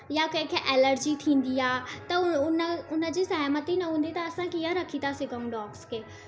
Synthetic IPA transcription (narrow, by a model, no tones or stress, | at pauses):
jakɐ̃ɦɪ̃kʰeʔɛːləɾd͡ʑit̪ʰĩːn̆d̪iaːt̪ɐʊnəʊnə̆d͡ʑisɐɦmət̪inɐɦũːn̆d̪it̪ɐːsãkiɦaɾɐkʰit̪ʰasɪɡʱəũɖɔːkskeː